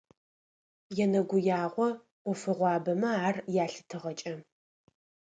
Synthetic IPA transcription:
jɛnɐɡʷʊjaːʁʷɔ | qʷʊfɨʁʷɑːbɐmɐaːrjaːɬɨ̥tʰɨʁɐt͡ʃʼɐ

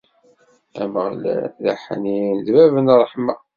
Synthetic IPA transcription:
æ̰məʁlæ̰ðæ̰ħninðvævənrˤːəħmæ

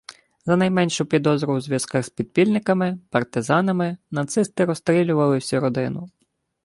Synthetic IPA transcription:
zɐnɐjmɛnʃʊpʲid̪ɔzɾʊwzʲʋʲjɐskɑɣspʲid̪̚pʲilʲnɪkɐmɪpɐrt̪ɪzɑnɐmɪnɐt̪sɪst̪ɪɾɔst̪ɾʲilʲʊʋɐlˠɪwsʲuɾɔd̪ɪnʊ

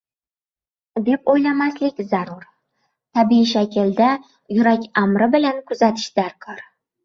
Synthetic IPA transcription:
d̪e̞pojlamaslɪkʲzaɾuɾ | t̪ʰabiʃakʲʰɪld̪a | jʊɾakʲamɾɪbɪlankʰʊzat̪ʰɪ̥ʃd̪̥aɾkʰɒɾ

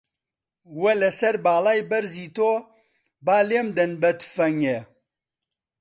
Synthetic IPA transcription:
wɛlɛsɛɾbaːlaːjbɛɾziːt̪oː | baːleːmd̪ɛnbɛt̪fɛŋɛ

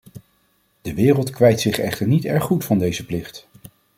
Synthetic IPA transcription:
d̥əʋɪːrəlˠtkʋɛjtsɪχɛχtəɹnitɛɹχːutfɑndejzəplɪχt

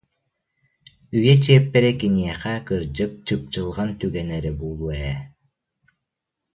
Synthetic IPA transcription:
yjɛt͡ɕiɛpːɛɾɛkiniɛχɛkɯɾd͡ʒɯp̚t͡ɕɯp̚t͡ɕɯlˠʁant̪yɡɛnɛɾɛbuːlˠuɛ

